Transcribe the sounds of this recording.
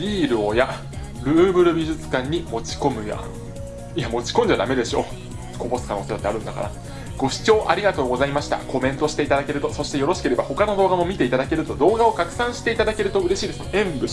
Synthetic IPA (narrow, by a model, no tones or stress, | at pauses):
bʲiːɾɯ̟oja | ɾɯ̟ːbɯ̟ɾɯ̟bʲiʑɨt͡sɨ̥kãɲ̟ːimo̞t͡ɕi̥ko̞mɯ̟ja̰ | ijamo̞t͡ɕi̥kõɲ̟d͡ʑad̪ame̞d̪e̞ɕo̞̰̥ː | kobo̞sɨ̥kano̞ːseat̪ːeaɾɯ̟nd̪aka̰ɾa̰ | ɡ̥o̞ɕi̥t͡ɕo̞ːʔaɾʲiɡat̪o̞ːɡo̞zaimaɕi̥t̪a̰ko̞mẽ̞nt̪o̞ɕi̥t̪e̞it̪ad̪ake̞ɾɯ̟t̪o̞so̞ɕi̥t̪ejo̞ɾo̞ɕi̥ke̞ɾe̞baho̞kano̞d̪o̞ːɡamo̞mʲit̪e̞it̪ad̪ake̞ɾɯ̟t̪o̞d̪o̞ːɡao̞kakɯ̟̥sãɰ̃ɕi̥t̪e̞it̪ad̪ake̞ɾɯ̟t̪o̞ɯ̟ɾe̞ɕiːd̪esɨnoẽ̞mbɯ̟